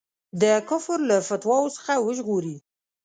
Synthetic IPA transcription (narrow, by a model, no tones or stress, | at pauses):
d̪əkʊfɾlafat̪wɑwosə̥xawəʒɣoɾi